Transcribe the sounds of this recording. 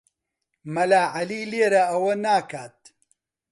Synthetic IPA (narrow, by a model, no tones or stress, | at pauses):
mɐlaːʕɐliːleːɾɐɐwɐnaːkʰaːt̪̚